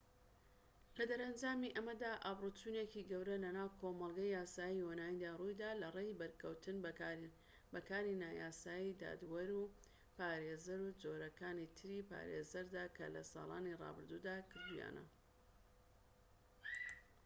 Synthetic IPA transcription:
lɐd̪ɐɾɐnd͡ʒaːmiʔɐmɐd̪aːʔaːbrut͡ʃunekiɡɐwɾɐlɐnaːwkʰomɐlˠɡɐjaːsaːjiwonaːind̪aːrujd̪aːlɐrejbɐɾkʰɐwt̪ɨn | bɐkaːɾinaːjaːsaːjid̪a̰ːd̪wɐɾu | paːɾeːzɐɾud͡zo̞ɾɐkaːnit̪ʰɨɾipa̰ːɾḛzɐɾd̪aːkʰɐ̰lɐ̰sɑ̰ːlˠa̰ːnirˤɑ̰bɨɾd̪uːd̪aːkʰɨɾd̪uja̰ːnʔɐ̰

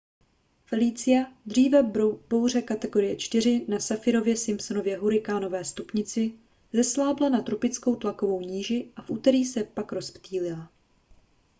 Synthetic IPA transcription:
fɛliːt͡sɪjad̪r̝iːvɛb̥o̞wr̝ɛkat̪ɛɡo̞ɾɪjɛt͡ʃt̪ɪɾ̝ɪnasafɪɾo̞vjɛsɪmpsono̞vjɛɦuɾɪkaːno̞vɛːst̪upɲɪt͡sɪ | zɛslaːblanat̪ɾo̞pɪt͡sko̞wt̪lako̞vo̞wɲiːʒɪʔafʔuːt̪ɛɾiːsɛpakɾo̞spt̪iːlɪla

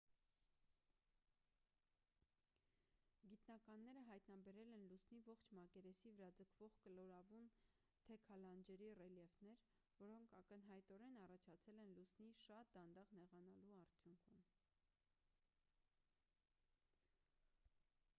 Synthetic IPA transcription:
ɡit̪nɑkɑnːɛɾəɦɑjt̪nɑbɛɾɛlɛnlusnivɔχt͡ʃʰmɑkɛɾɛsivəɾɑd͡zəkʰv̥ɔʁkəlɔɾɑvum | t̪ʰɛkʰɑlɑnd͡ʒɛɾirɛljɛvnɛɾ | vɔɾɔŋkʰɑkənɦɑjt̪ɔɾɛnɑrɑt͡ʃʰɑt͡sʰɛlɛnlusniʃɑt̪̚d̪ɑnd̪ɑʁnɛʁɑnɑluɑɾt͡sʰjuŋkʰum

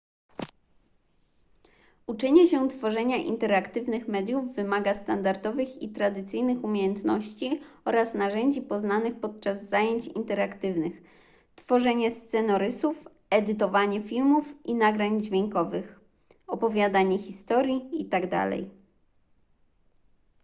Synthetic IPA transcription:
ut͡ʂɛɲɛɕɛt̪fɔʐɛɲaʔḭnt̪ɛɾakt̪ɘvnɘxmɛd̪juvːɘmaɡast̪and̪aɾd̪ɔvɘxit̪ɾad̪ɘt̪sɘjnɘxumʲjejɛnt̪nɔɕt͡ɕiɔɾasnaʐɛɲd͡ʑipɔznanɘxpɔt̪̚t͡ʂazːajeɲt͡ɕḭnt̪ɛɾakt̪ɘvnɘx | t̪fɔʐɛɲɛst̪sɛnɔɾɘsuf | ɛd̪ɘt̪ɔvaɲɛfʲilmufʔinaɡɾaɲd͡ʑvʲjɛŋkɔvɘx | ɔpɔvʲjad̪aɲɛxʲist̪ɔɾʲjiit̪aɡd̪a̰lɛ̰j

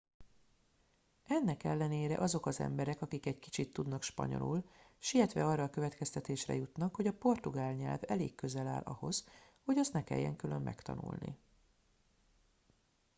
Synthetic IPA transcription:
ɛnːɛkɛlːɛneːɾɛʔɒzo̞kɒzɛ̰mbɛɾɛkɒkikɛɟki̥t͡ʃit̪ːud̪nɒkʃpɒ̰ɲo̞̰lulʃiljɛt̪ʋɛ̰ɒrːɒːkø̞vɛt̪kɛst̪ɛt̪eːʃrɛ̰jut̪nɒkho̞ɟɒpo̞rt̪uɡaːlɲɛ̰lvɛleːkːø̞zɛla̰ːlʔɒ̰ho̞zho̞ɟɒst̪nɛkɛ̰jːɛ̰ŋkylø̞mːɛ̰kt̪ɒ̰nṵlnḭ

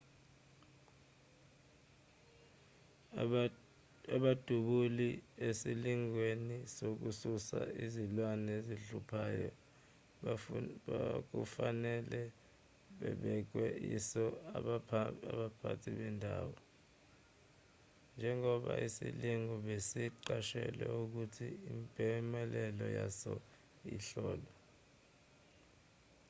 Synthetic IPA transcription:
aɓad̥ʱuɓuliesiliŋwenisok̬ususa̰izilwanɛziɬupʰaːjɔ̰ | ak̬ṵfanɛlɛ | ɓɛ̰ɓɛk̬wɛisɔ | aɓapʰa̰tʰiɓɛndʱaːwɔ | nd͡ʒʱɛŋɔɓaisiliŋɔɓesiǃaʃɛ̰lɛuk̬utʰiimpʼɛmɛlɛlɔjasɔ | iɬɔːlɔ

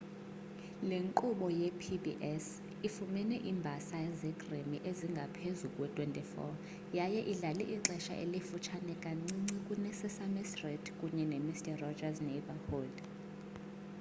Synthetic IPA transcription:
leŋkʼuɓɔjɛpʰibiʔɛs | ifumɛnɛʔimbʱasajɛzɛɡʼremiʔeziŋɡʱapʰezukʼwɛtʰʼwentʼifɔ̰ | jajɛʔiɮalɛ̰ʔiǁɛʃa̰ʔḛlifut͡ʃʰanɛkʼaŋ͡ǀiŋ͡ǀikʼunɛsɛsamɛstritʰkʼuɲɛnemistʼɛrɔd͡ʒaznɛbahoːd

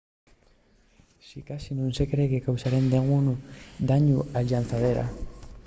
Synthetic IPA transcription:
sikasinũnsekɾeɣekawsaɾend̪eɣunud̪aɲuaʎʎanθaðeɾa̰

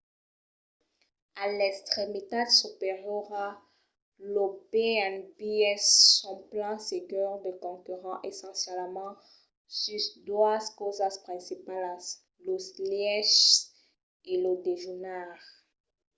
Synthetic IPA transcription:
alɛkst̪χemit̪ad̪supeʁjɔʁa | lobeɛnbiɛsːɔ̃plɑ̃seɡyʁd̪əkɔ̃kyʁɑ̃ʔesɑ̃sjɛlmɑ̃ | sysd̪waskozaspχɛ̃sipala | loslɛʃ | eləd̪eʒunaʁ

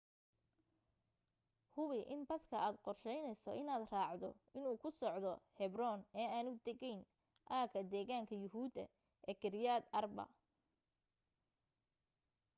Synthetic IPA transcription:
hʊβɪʔɪnbɐskʰɐʔaːd̪qɔrʃɛjnɛjsɔʔɪnaːd̪raːʕd̪ɔ̰ɪnuːkʰʊsɔʕd̪ɔhɛbrɔnɛːaːnʊd̪ɛɣɛjn | ʔaːkʰɐd̪ɛːɣaːŋkʰɐjʊɦuːd̪ɐ̰ | ɛːkʰɪɾjaːd̪ɐrbɐ̰

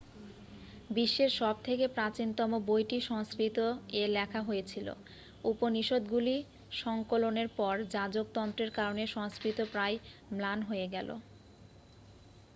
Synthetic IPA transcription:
biʃːeɾʃɔb̚t̪ʰekepɾat͡ɕint̪ɔmobojʈiʃɔŋskɾit̪oelɛkʰaɦojet͡ɕʰilo̰ | uponiʃod̪ɡuli | ʃɔŋkoloneɾpɔɾd͡ʑad͡ʑok̚t̪ɔnt̪ɾeɾkaɾoneʃɔŋskɾit̪opɾajmlanɦoeɡɛlʔo̰

